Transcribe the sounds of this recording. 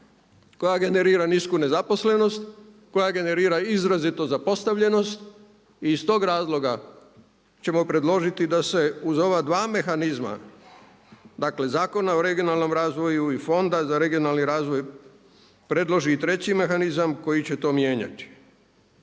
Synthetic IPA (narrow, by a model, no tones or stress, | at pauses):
kojaɡe̞ne̞ɾiːɾaniskune̞zapo̞sle̞no̞st̪ | ko̞jaɡe̞ne̞ɾiːɾaizɾazit̪o̞zapo̞st̪aʋʎe̞no̞st̪ | iːst̪o̞ːɡɾaːzlo̞ɡa | t͡ɕe̞mo̞pɾe̞d̪lˠo̞ʒit̪id̪ase̞uzo̞ʋad̪ʋaːme̞xanizma̰ | d̪akle̞zaːko̞naoɾe̞ɡijo̞nalno̞mɾaːzʋo̞juifo̞nd̪azaɾe̞ɡijo̞nalˠniɾaːzʋo̞j | pɾe̞d̪lˠo̞ʒiːt̪ɾe̞t͡ɕime̞xanizamko̞jit͡ɕe̞t̪o̞ːmje̞ːɲa̰t̪i̥